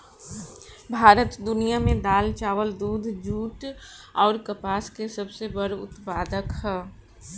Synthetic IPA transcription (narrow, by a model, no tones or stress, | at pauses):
bʱaːɾət̪d̪ʊnijamẽd̪aːlt͡ʃaːʋəld̪uːd̪ʱd͡ʒuːʈɔːɾkɐpaːskesɐbsebəɽʊ̰t̪paːd̪əkɦɛː